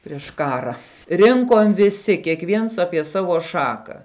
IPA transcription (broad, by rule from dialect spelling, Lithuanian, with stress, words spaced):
pʲrʲɪʃ ˈkɑːrɐ ˈrʲɪŋkoːm ʋʲɪˈsʲɪ kʲiɛkˈʋʲiɛns ˈɑːpʲiɛ ˈsɑːʋoː ˈʃɑːkɐ